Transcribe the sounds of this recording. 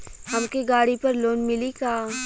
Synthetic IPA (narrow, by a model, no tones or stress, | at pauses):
hɐmkeɡaːɽipɐɾloːnmɪlikaː